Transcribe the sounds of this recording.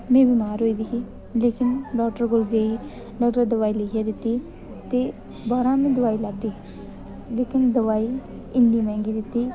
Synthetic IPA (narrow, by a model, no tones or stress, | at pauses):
mɛ̃ːbiːmaːɾɦoːiːd̪iːɦiː | leːkɪnɖɔːkʈəɾɡʊlɡei | ɖɔːkʈəɾd̪əʋaːiːlɪkʰjaːd̪ɪt̪ːiː | t̪eː | baːɾãːmẽːd̪əʋaːiːlaːt̪iː | leːkɪnd̪əʋaːiː | ɪnːiːmɛ̃ːŋɡiːd̪ɪt̪ːiː